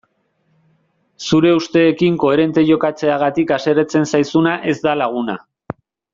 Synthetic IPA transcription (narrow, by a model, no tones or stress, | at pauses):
suɾe̞ust̪e̞ːkiŋko̞e̞ɾe̞nt̪e̞ʝo̞kat͡se̞aɣ̞at̪ikase̞ɾet͡se̞nsajsunaʔe̞zd̪alaɣ̞una̰